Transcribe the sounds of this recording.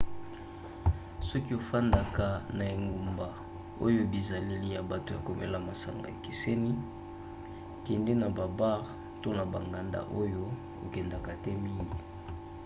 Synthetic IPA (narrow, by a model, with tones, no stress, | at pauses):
sɔ˦ki˦o˨fa˦nda˨ka˨na˨e˨ŋɡo˨mba˨ | o˦jo˦bi˨za˨le˦li˦ja˨ba˨to˨ja˨ko˨mɛ̰˦la˨ma˨sa̰˨ŋɡa˨e˨ki˨se˦ni˦ | kɛ˨nde˦na˨ba˨ba˦ʁ | to˦na˨ba˨ŋɡa˨nda̰˦˨ʔo˦jo˦ | o̰˨kɛ˨nda˨ka˨tɛ˦mi˦je˨